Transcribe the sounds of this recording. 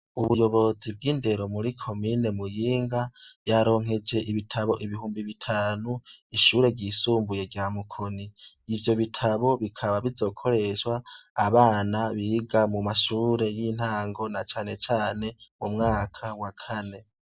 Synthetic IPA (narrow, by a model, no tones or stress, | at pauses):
uβujo̞βo̞zib̚ɡiːnde̞ɾo̞muɾikʰo̞miːne̞mujiːŋɡaβjaɾo̞ːŋ̥ɦe̞d͡ʒe̞ʔiβitʰaβo̞ʔiβihuːmbiβitʰaːnuiʃuːɾe̞ɟiːsuːmbuje̞ɡɟaːmukʰo̞ni | ivjo̞βitʰaβo̞βikʰaβaβizo̞ːkʰo̞ɾe̞ʃwaːβaːnaβiɡamumaʃuːɾe̞jin̥haːŋɡo̞nat͡ʃaːne̞t͡ʃaːne̞umŋaːkʰawakʰane̞